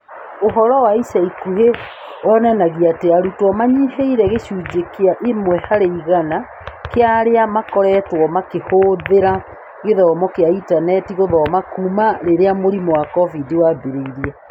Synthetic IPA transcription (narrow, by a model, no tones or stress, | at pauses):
oɦɔɾɔwaisaikuɦe | ɔnanaɣiateaɾutwɔmaɲiɦeiɾɛɣeɕuːd͡ʒekeaʔemwɛhaɾeiɣana | keaɾeamakɔɾɛtwɔmakehoðeɾa | ɣeðɔmɔkeaitanɛtiɣoðɔmakuːmaɾeɾeamoɾimɔwakɔvidiwabeɾeiɾiɛ